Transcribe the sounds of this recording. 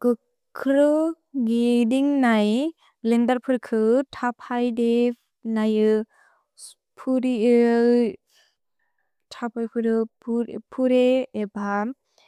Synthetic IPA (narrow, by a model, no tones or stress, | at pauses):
ɡ̥ɯ | kʰɾɯ | ɡidiŋnaj | lendaɾpʰɯɾkʰɯtʰapʰajde | najɯ | pʰuɾiɯ | tʰapʰajpʰɯɾɯpʰɾpʰuɾeːba